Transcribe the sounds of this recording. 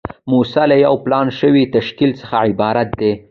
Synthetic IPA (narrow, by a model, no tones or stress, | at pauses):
musalajawplɑnʃəwit̪aʃkilt͡sə̥xaʕɪbɑɾat̪̚d̪e